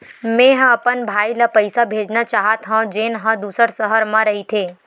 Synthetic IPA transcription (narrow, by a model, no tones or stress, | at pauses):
mẽɦɐpənbʱaːiləpɐɪsabʱeːd͡ʒnat͡ʃaːɦat̪ɦãd͡ʒeːnɦə̃d̪uːsəɾsəɦəɾmãɾɐɦit̪ʰeː